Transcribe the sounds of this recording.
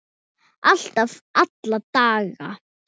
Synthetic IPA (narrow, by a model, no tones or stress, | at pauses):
ʔal̥t̪avat̪lat̪aːɣa